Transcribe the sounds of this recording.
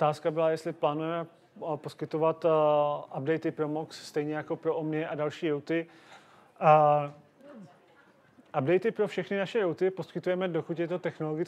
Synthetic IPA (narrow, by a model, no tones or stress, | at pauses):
ʔot̪aːskabɪlajɛst̪lɪplaːnujɛmɛ | po̞skɪt̪o̞vat̪ʔabdɛjt̪ɪpɾo̞moksːt̪ɛjɲɛjako̞pɾoʔomɲɛʔadalʃiːjowt̪ɪ | ʔab̚dɛjt̪ɪpɾo̞fʃɛxnɪnaʃɛjowt̪ɪpo̞skɪt̪ujɛmɛdo̞kut̪jɛt̪ot̪ɛxnoloɡɪt͡s